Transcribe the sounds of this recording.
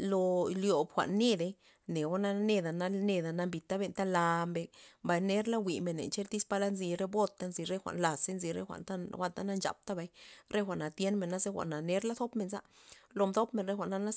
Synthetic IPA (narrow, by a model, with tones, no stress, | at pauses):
lo˧ljo˨bxʷa̰˨ʔnːe˦d̪e˧ | ne˨wo˦na˦ne˧d̪a˨na˧ne˧d̪a˧na˧mbi˨˧t̪a˦be˧nt̪a˦la˧mbe˧mba˨jne˦ɾla˦wʷi˨me˨nːḛ˨nt͡ʃe˦ɾt̪i˦spa˧la˦nzi˧ɾe˦bo˦t̪ːa˧nzi˧ɾe˦xʷa̰˨ʔnla˨se˦nzi˧ɾḛ˦xʷa̰˨ʔnt̪a˦xʷa˦nt̪a˦na˧nt͡ʃa̰˨p̚t̪a˦ba˧jɾe˦xʷa˨ʔna˨t̪je˦nme˨nːa˦ze˦xʷa̰˨ʔna˨ne˦ɾla˦θo˦pme˨nza˦ʔlo˧md̪o˦pme˨nɾe˦xʷa˨ʔna˧na˦